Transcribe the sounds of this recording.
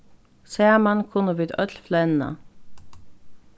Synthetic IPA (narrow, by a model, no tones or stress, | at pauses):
seːmɑnkʰʊnəʋiːd̪œt̪ʰlflɛnə̰